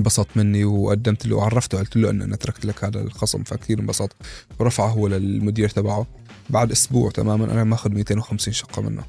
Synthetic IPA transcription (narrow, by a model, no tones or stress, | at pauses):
bɑsˤɑːt̪ˤmɪnːiwʔad̪ːamt̪lḭwʕɑrˤːɑft̪wʕalt̪ɪlːuʔa̰nːʔanʔat̪ɾˤɑkt̪lakhaːd̪a̰lxɑsˤɑ̰mfakθiːɾmɪnbɑsˤɑːt̪ˤwɾˤɑfʕaɦʊwːalɪlmʊd̪iːɾt̪abaʕu | baʕd̪ʔʊsbṵːʕt̪a̰maːmanʔa̰namaʔaːxʊd̪miːt̪eːnwxamsiːnʃɑ̥qːɑmɪ̰nːṵ